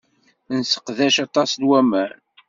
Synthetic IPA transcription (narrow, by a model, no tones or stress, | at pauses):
nsə̥qðæʃɑt̪ˤɑsd̪wæmæn